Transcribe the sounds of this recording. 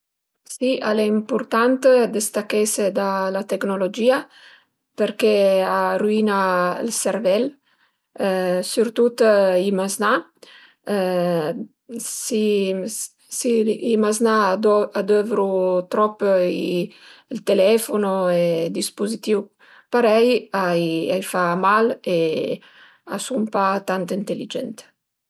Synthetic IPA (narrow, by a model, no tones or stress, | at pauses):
sialɛimpuɾt̪ant̪d̪est̪akesed̪alat̪eknolod͡ʒiːa | peɾkearuinaḭlseɾvɛl | syɾt̪ut̪ːimazna | si | siimaznaad̪øvɾut̪ɾɔpːi | lt̪elɛfonoed̪ispozit̪iu | paɾɛjaja̰jfamale | a̰sumpat̪ant̪int̪elid͡ʒɛ̰nt̪